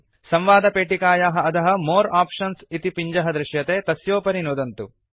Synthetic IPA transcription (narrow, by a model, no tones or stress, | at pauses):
sɐ̃mʋaːd̪ɐpeːʈikaːjaːɦɐɐt̪ɐɦɐ̆moːɾaːpʂɐnsit̪ipiɲd͡ʒɐɦɐd̪ɾɪʃjɐt̪eːt̪ɐsjoːpɐɾinoːd̪ɐnt̪u